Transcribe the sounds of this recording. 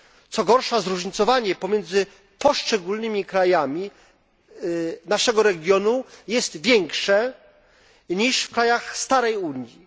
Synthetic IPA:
t̪sɔɡɔɾʂazɾuʐɲit̪sɔvaɲɛpɔmʲjɛnd̪zɘ | pɔʂt͡ʂɛɡulnɘmʲikɾajamʲi | naʂɛɡɔɾɛɡʲjɔnujɛst̪vʲjɛŋkʂɛ | ɲiʂfkɾajaxst̪aɾɛjuɲji

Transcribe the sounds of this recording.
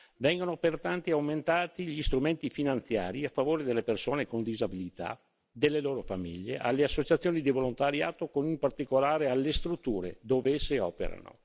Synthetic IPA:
vɛŋɡonopert̪ant̪iawment̪aːt̪iʎist̪ɾument̪ifinant̪sja̰ːɾiafːavoːɾed̪elːepersoːnekond̪izabilit̪a̰ | d̪elːeloːɾofamiʎːḛʔa̰lːeasːot͡ʃat̪sːjoːnid̪ivolont̪aɾja̰ːt̪okonimpart̪ikolaːɾealːest̪ɾut̪ːuːɾḛd̪oːveesːeɔ̰ːpḛɾa̰no̰

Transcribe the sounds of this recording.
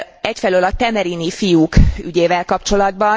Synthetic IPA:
ɛcfɛløːlɒt̪ɛmɛɾinifijuːkyɟeːvɛlkɒpt͡ʃo̞lɒd̪bɒ

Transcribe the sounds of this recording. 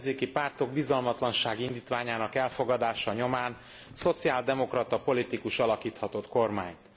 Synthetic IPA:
zeːkipaːrt̪o̞ɡ̚bizɒlmɒt̪lɒnʃaːɡind̪iːt̪ʋaːɲaːnɒkɛlfo̞ɡɒd̪aːʃɒɲo̞maːn | so̞t̪siaːld̪ɛmo̞krɒt̪ɒpo̞lit̪ikuʃɒlɒkiːt̪hɒt̪o̞t̪ko̞rmaːɲt̪

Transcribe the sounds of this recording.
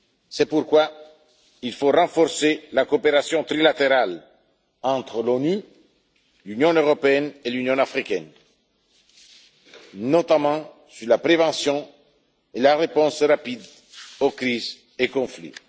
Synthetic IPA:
sɛpuɾkwa | ilforɑ̃fɔɾselakopeɾasjɔ̃t̪ɾilat̪eɾal | ɑ̃t̪χlony | lynjɔ̃øʁopeɛnelynjɔ̃afʁikɛn | not̪amɑ̃ | syʁlapɾevɑ̃sjɔ̃ | elaʁepɔ̃srapid̪ | okɾiz | ekɔ̃flḭ

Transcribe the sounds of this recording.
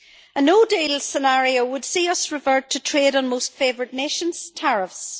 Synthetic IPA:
ənoːdelsənaɹiowəd̥siːʌsɹɪvɜ˞tʰətʰɹ̥eɾn̩mostfevə˞dⁿneʃə̃nz̥tʰɛɹɪfs

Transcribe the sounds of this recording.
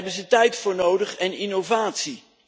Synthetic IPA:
bənzətɛjtfʊːɹnowdəχɛnɪnowvaːtsi

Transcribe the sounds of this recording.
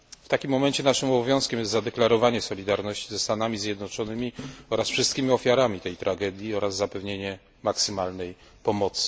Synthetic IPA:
ft̪akʲimːɔmɛɲt͡ɕɛnaʂɘmɔbɔvʲjɔ̃w̃skʲɛmjɛst̪zad̪ɛklaɾɔvaɲɛsɔlʲid̪aɾnɔɕt͡ɕizɛst̪anamʲizʲjɛd̪nɔt͡ʂɔnɘmʲiɔɾasfʂɘst̪kʲimʲiɔfʲjaɾamʲit̪ɛjt̪ɾaɡɛd̪ʲjiɔɾazːapɛvɲeɲɛ | maksɘmalnɛj | pɔmɔt̪sɘ̥

